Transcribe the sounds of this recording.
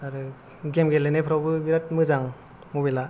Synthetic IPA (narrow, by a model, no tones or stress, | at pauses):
aɾɯ | ɡemɡelenepʰɾawbɯbiɾat̚mɯzaŋ | mubela